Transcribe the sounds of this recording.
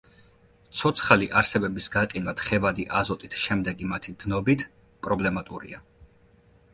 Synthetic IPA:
t̪sʰɔt̪sʰχaliʔaɾsɛbɛbisɡaqʼinvat̪χɛvad̪iʔazɔt̪ʼit̪ʰʃɛmd̪ɛɡimat̪ʰid̪̥nɔbit̪ʰ | pʼɾɔblɛmat̪ʼṵɾḭa

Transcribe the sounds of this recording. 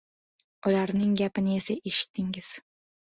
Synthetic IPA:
ʊlaɾnɪŋɡʲapɪnɪe̞saʔeʃɪ̥t̪ʰːɪŋɪz̥

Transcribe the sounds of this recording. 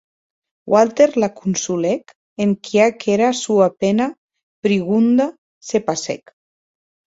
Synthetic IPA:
wʔalt̪eɾlakunsulɛk | eŋkʰiakeɾasuapena | pɾiɣund̪a | sepasḛk

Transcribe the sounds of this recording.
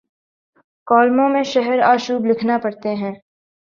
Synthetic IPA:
kɔːlmõmẽʃɛɦɛɾaːʃuːblɪkʰnapɐɾt̪eɦɛ̃ː

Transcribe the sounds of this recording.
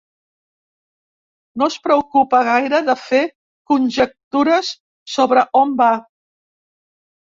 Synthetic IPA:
nospɾəwkupəɣ̞ajɾəðəfe | kunʲʒək̚t̪uɾəsː | oβɾəʔomba

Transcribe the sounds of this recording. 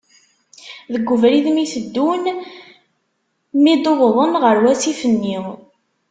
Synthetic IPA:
ðəɡːʊvɾiðmiθəd̪ːun | mid̪oðˤðˤənʁəɾwæsifənːi

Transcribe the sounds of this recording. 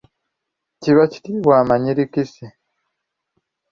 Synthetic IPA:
ciβaci̥tiwaːmaɲiɾikisi

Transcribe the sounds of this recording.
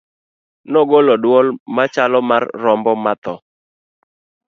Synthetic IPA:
nɔɡolɔdwɔlmat͡ʃalɔmarːɔmbɔmat̪ɔ

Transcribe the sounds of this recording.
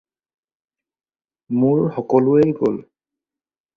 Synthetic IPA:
mʊɹxɔkɔlʊejɡo̰l

